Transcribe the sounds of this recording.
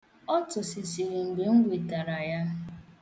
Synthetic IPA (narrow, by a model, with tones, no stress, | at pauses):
ɔ˦tʊ˨sɪ˨si˨ɾi˨ŋ͡m̩˨ɡ͡be˨ŋ̩˦ɡʷe˨ta˨ɾa˨ja˦